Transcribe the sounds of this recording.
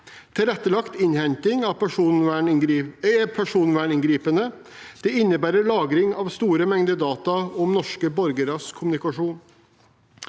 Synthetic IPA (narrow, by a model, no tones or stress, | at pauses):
t̪ʰɪlɾɛt̪ːəlɑkt̪ɪnhɛnt̪ɪŋɑpʂːnʋæ | pʰæʂuːnʋæːɳɪŋɡɾiːpənə | d̪̥ɛɪnːəbæːɾəɭɑːɡɾɪŋɑʋst̪uːɾəmɛŋd̪əd̪ɑːt̪ɑɔmnɔʂkəbɔɾɡəɾɑskʰʊmʉnɪkɑʂuːn